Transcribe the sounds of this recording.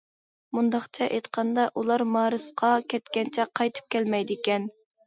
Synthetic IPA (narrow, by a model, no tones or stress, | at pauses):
mund̪ɑχt͡ʃʰɛʔejt̪qʰɑnd̪ɑʔulˠɑɾmɑːɾɨsqʰɑkʲʰɛt̪kʲɛnt͡ʃʰɛqʰɑjt̪ʰɨ̥p̚kʲɛlmɛjd̪ɪkʲɛn